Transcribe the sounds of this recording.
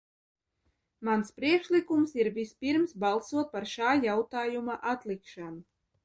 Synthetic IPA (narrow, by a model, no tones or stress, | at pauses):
manspɾiɛkʃlikumsiɾvispiɾmsbalˠsuɔt̪̚paɾʃaːjawt̪aːjumaʔat̪lˠikʃanu